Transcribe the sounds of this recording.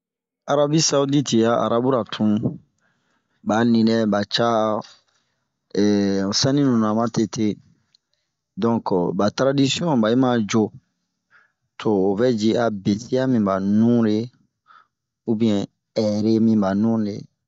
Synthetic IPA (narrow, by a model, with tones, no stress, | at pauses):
a˨ɾa˦bi˦sa˦u˦di˦ti˨ja˦ʔa̰˨ɾa˦bu˦ɾa˨tʰũ˦ | ba˨˦nĩ˨dɛ˦ba˨t͡ʃa˦˨ | o˨sã˦nĩ˦nũ˨nã˨ma˦te˨tʰe˦ | dɔ̃˦kba˨tɾa˦di˦si˦ɔ̃˦ba˨ji˦ma˦d͡ʒo˦ | tʰo˨o˨bɛ˦d͡ʒi˦a˨be˨si˦a˦mĩ˨ba˨nũ˦le˦ | u˦bi˨ɛ̃˨ | ɛ˨ɾe˦mĩ˦ba˨nũ˦lḛ˨